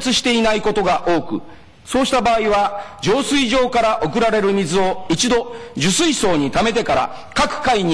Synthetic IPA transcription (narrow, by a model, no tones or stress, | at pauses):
t͡sɨɕi̥t̪e̞inaiko̞t̪o̞ɡaʔo̞ːkɯ̟̰ | so̞ːɕi̥t̪abaːiβad͡ʑo̞ːsɨiʑo̞ːkaɾaʔo̞kɯ̟ɾaɾe̞ɾɯ̟mʲizɨo̞it͡ɕid̪o̞d͡ʑɨsɨiso̞ːɲ̟it̪ame̞t̪̬e̞kaɾa̰ | kakɯ̟̥kaiɲ̟i